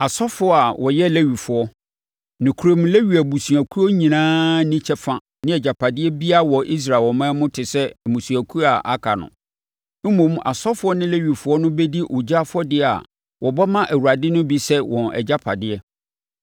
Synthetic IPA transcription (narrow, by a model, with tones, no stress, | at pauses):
a˨sɔ˦fʊ˦ɔ˦a˨wʔɔ˨jɛ˦le˦ɥi˨fʊ˨ɔ˦ | nɪ̃˨kʰɾo˦˨m̃˦le˦ɥi˨æ˨bu˨su˨æ˨kʰu˦ɔ˦ɲĩ˨nãː˦nĩ˦t͡ɕʰɛ˦fã˨ | nɪ̃˦ɛ˨d͡ʑa˨pʰa˨dɪ˦ɛ˦bi˦a˦wɔ˨ʔi˦s̬ɾa˨wɔ˨mãː˦mʊ̃˦tʰɪ˨sɛ˦˨mũ˨su˨æ˨kʰu˦a˨ʔa˦kʰa˨nʊ̰̃˨ | m̩˦mõ˨m˦a̰˨sɔ˦fʊ˦ɔ˦nɪ̃˦læ˦ɥi˨fʊ˨˦ɔ˦nʊ̃˦be˦di˦ʔo˨d͡ʑa˦fʊ˦ɔ˦dɪ˦˨a̰˨ | wʔɔ˨bɔ˦mã˦ʔæ˨wu˨a˨dɪ˦nʊ̃˦bi˦sɛ˦wɔ̃˨nɛ̰˨d͡ʑa˦pʰa˨dɪ˦ɛ˦